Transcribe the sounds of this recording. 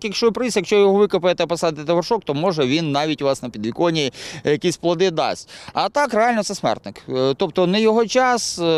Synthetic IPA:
kjɐkʃt͡ʃɔpɾɪsʲjɐkʃt͡ʃɔjɔɦɔʋɪkɐpɐjet̪ɛpɐsɑd̪ɪt̪ɪt̪ɐʋɐrʃɔk̚t̪ɔmɔʒɛʋʲinːɑʋʲitʲʊʋɑsnɐpʲid̪ʋʲikɔnʲijɐkʲisʲplˠɐd̪ɪd̪ɑ̰sʲtʲɐt̪ɑkrɛalʲnɔt̪sɛsmɛ̰rt̪nɪkt̪ɔp̚t̪ɔnɛjɔɦɔt͡ʃɑs

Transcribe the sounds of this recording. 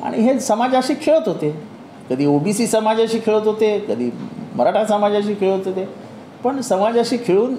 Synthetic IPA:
a̰ɽ̃ḭɦesəmad͡zəɕiːkʰeɭət̪ɦot̪e | kəd̪ʱiːobisiːsəmad͡zəɕiːkʰeɭət̪ɦot̪ekəd̪ʱḭːməɾaʈʰasəmad͡zəɕiːkʰeɭət̪ɦot̪e | pəɳsəmad͡zəɕiːkʰeɭuːn

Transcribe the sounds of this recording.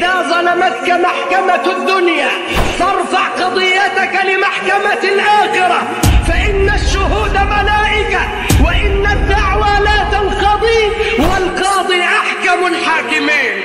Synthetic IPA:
ðaːzˤɑlamat̪kamaħkamad̪ːʊnjaː | t̪ɑɾˤfaʕqɑd̪ˤɨjːat̪akalɪmaħkamalʔaːxɪɾa | faʔɪnːaʃːʊhuːd̪amalaːʔɪka | wɪʔɪnːad̪ːaʕwalaːt̪antɑd̪ˤiːwɪlqɑːd̪ˤiʔaħkamalħaːkɪmiːn

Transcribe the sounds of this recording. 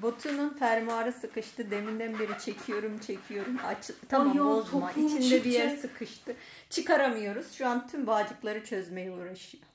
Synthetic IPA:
bo̞t̪ʰununfæɾmuaːɾɯsɯkɯʃt̪ɯd̪e̞mind̪ænbiɾit͡ʃʰe̞cʰijo̞ɾumt͡ʃʰe̞cʰijo̞ɾumat͡ʃt̪ʰamooit͡ʃʰind̪ɛbijæɾsɯkʰɯʃt̪ʰɯ | t͡ʃʰɯkaɾamɯjo̞ɾuz̥ʃuant̪ʰymvaːd͡ʒɯklˠaɾɯt͡ʃʰø̞zme̞jɛuːɾaʃɯjo

